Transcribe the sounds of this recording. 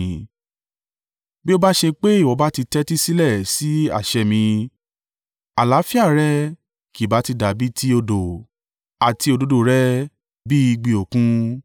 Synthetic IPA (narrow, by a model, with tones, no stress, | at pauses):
bi˦o˧ba˦ʃe˧k͡pe˦i˦˨wɔ˨˧˦ba˦ti˧tɛ˦ti˦si˦lɛ˦˨si˨˦a̰˦˨ʃɛ˧mĩ˧ | a˨la˨˦fi˦a˦˨ɾɛ˦ | ki˨ba˨˦ti˧da˨bi˦tʰi˦o˧do˨ | a˨ti˧o˧do˨˦do˨ɾɛ˦ | bi˦i˧ɡ͡bi˧o˨kũ˦